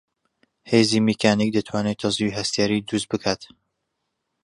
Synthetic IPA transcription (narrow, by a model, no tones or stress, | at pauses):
heːzimikʰaːniːk̚d̪ɐt̪ʰwaːnet̪ʰɑziiɦɐst̪jaːɾiːd̪ust̪̚bɨkʰaːt̪